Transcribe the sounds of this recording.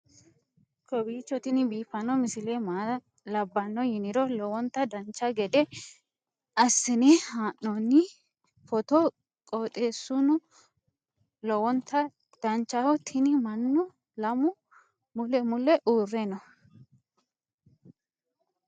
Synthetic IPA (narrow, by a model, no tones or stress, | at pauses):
kɔbiːt͡ʃːɔt̪ɪnɪbiːfɐnɔmɪsɪlemaː | lɐbːɐnːɔjɪnɪɾɔlɔwɔnt̪ːɐd̪ɐnt͡ʃːɐɡɛd̪ɛ | ɐsːɪnɛhaːnːɔnːɪ | fɔt̪ɔ | kʼoːt̪ʼe̞ːsːʊnʊ | lɔwɔnt̪ːɐ | d̪̥ɐnt͡ʃːɐhɔt̪ʰɪnɪmɐnːʊ | lɐmʊ | mʊlɛmʊlɛʔuːrːɛnɔ